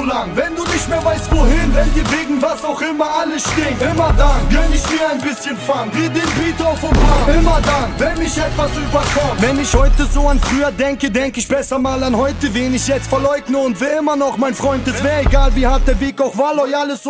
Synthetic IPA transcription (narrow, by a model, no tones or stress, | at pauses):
laŋvɛnduːnɪçtmeːvaɪstvoːhɪnvɛndiːvɪɡŋ̩vaːsaʊχɪmɐaləsʃtɪŋɪmɐdanɡɛnɪçmiːɐaɪnbɪsçənfaŋviːdembiːtaʊfɔnbaɪmɐdanvɛnmɪçɛtvasyːbɐkʰɔvɛnɪçhɔʏtəzoːanfʁyːɐdɛŋkədɛŋkɪçbɛsɐmaːlanhɔʏtəveːnɪçjɛt͡stfɐlɔʏɡnəʊntviːɪmɐnɔχmaɪnfʁɔʏntɪssvɛːeɡaːlˠviːhat̚dɛːɐbɪkɔʊχvalɔɪaləs